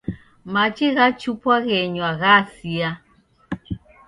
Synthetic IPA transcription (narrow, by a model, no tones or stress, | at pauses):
mat͡ʃiɣat͡ʃupwaɣɛɲwaɣasia